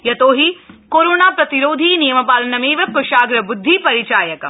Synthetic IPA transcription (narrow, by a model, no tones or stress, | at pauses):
jɐt̪oːɦikoːɾoːnaːpɾɐt̪iɾoːd̪ʱiːnijɐmɐpaːlɐnɐmeːʋɐkːuʃaːɡɾɐbʊd̪ʱːipɐɾit͡ʃaːjɐkɐ